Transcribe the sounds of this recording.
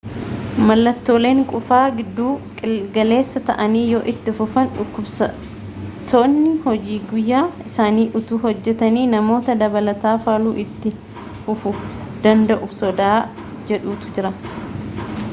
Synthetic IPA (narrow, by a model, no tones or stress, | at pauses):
mɐlːɐt̪ːo̞ːle̞ːŋkʼʊfaːɡɪd̪ːuːɪɡɐle̞ːsːɐt̪ɐ̰ʔɐniːjoːʔɪt̪ːɪfʊfɐnᶑʊkːʊbsɐ | t̪ʰonːɪhɔd͡ʒiːɡʊjːaːɪsaːniːʔʊt̪uːɦɔd͡ʒːɛt̪ɐniːnɐmo̞ːt̪ɐd̪ɐbɐlɐt̪aːfaːluːʔɪt̪ːɪ | fʊfʊd̪ɐnd̪ɐʔʊsɔd̪aː | d͡ʒɛᶑuːt̪ʊ̥d͡ʒɪɾɐ